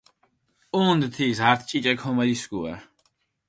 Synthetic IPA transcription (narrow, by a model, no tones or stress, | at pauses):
uːnd̪t̪ʰisaɾt̪ʰt͡ʃʼit͡ʃʼɛkʰhɔmad̪isɡua̰